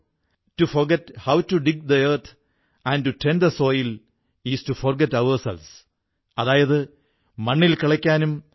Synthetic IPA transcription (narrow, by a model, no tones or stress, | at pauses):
tuforɡethawtuɖiɡ̚d̪ɐert̪ʰ | æ̃ntuʈend̪ɐso̞ːjil | istuforɡetɐʋɐrsḛls | ɐðaːjɐðɨ | mɐɳːilkiɭɐkʲːaːnum